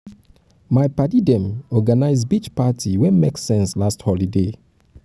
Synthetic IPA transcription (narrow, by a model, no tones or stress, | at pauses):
maɪpatidɛ̃mɔɡanaɪzbit͡ʃpatʰiwɛ̃nmeksɛ̃nslasthɔlide